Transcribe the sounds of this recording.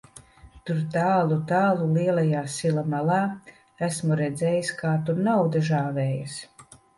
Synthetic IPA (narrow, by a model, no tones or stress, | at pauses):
t̪uɾt̪aːlˠut̪aːlˠuliɛlajaːsilamalˠaː | æsmuɾɛd̪zʲɛːjiskaːt̪uɾnawd̪aʒaːvɛːjas